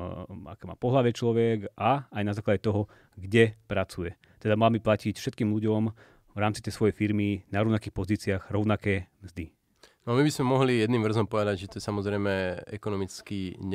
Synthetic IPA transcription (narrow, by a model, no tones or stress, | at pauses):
a̰kɛːma̰ːpɔɦlaʋɛt͡ʃlɔʋɛɡaajnazaːklaɟɛt̪ɔɦɔ | ɡɟɛpɾat͡sujɛ | t̪ɛd̪amalabiplacicfʃɛt̪kiːmʎuɟɔm | vɾaːmt͡sit̪ɛjsʋɔjɛjfiɾminaɾɔʊnakiːxpɔziːt͡sɪaɣɾɔʊnakɛːmzd̪i | nɔamibizmɛmɔɦlijɛd̪nimʋr̩zɔmpɔʋɛd̪aɟʒɛt̪ɔɛsamɔzɾɛjmɛɛ̰kɔnɔmit͡skiɲ